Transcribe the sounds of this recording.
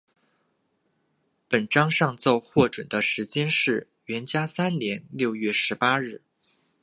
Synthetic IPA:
pə˨˩nʈ͡ʂɑ˥ŋʂɑ˥˧ŋt͡so˥˧ʊxwɔ˥˩ʈ͡ʂwə˨˩nd̪ə˦ʂɻ̩˧˥t͡ɕjɛ˥nʂɻ̩˥˩ | ɥɛ˧˥nt͡ɕja˥sa˥nnjɛ˧˥nljo˥˧ʊjɥɛ˥˩ʂɻ̩˧˥pa˥ɻɻ̩˥˩

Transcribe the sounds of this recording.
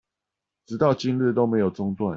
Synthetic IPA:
ʈ͡ʂɻ̩˨˥t̪ɑ˥˨ʊt͡ɕi˦ŋli˥˨˩t̪o˥˦ʊme˨˧˥ɪjo˨˩ʊt͡sʊ˥˦ŋt̪wa˥˨

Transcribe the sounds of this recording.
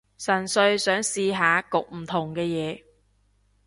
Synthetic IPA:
sɐ˨˩nsɵ˧ɥsœː˨˥ŋsiː˧ɦaː˨˧kʊ˨k̚m̩˨˩t̪ʰʊ˨˩ŋkɛː˧jɛː˨˧

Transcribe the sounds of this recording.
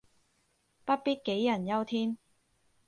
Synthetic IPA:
pɐ˥t̚piː˥t̚ke˨˥jːɐ˨˩njɐ˥wt̪ʰiː˥n

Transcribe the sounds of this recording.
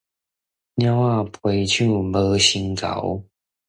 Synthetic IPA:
nja˥ʊa˥˩pʰwe˨˦ɪt͡ɕʰu˥˧bə˧˦ɕi˧˥˦ŋka̰˨˦ʊ

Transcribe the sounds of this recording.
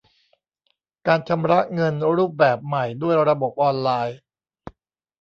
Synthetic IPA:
kaː˧nt͡ɕʰa˧mɾa˦˥ʔŋɤ˧nɾuː˥˩p̚bɛː˨˩p̚ma˨˩jdu˥˩əjɾa˧bo˨˩p̚ʔɔː˧nlaː˧j

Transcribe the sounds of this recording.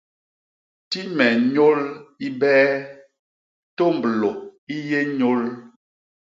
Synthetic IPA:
ti˦mɛ˨ɲo˦li˦bɛː˦ | to˦˨mblo˨i˦je˦ɲo˦l

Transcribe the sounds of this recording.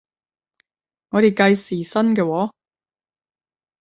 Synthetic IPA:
ŋɔː˨˧ɾe˨˩jkɐ˧jsiː˨sɐ˥nkɛː˧wɔː˨˥

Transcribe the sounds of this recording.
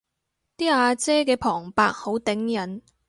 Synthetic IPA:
t̪iː˥aː˧t͡sɛː˥k̬ɛː˧pʰɔː˨˩ŋpa̰ː˧k̚ho˨˥wt̪ɪ˨˥ŋjɐ˨˥n

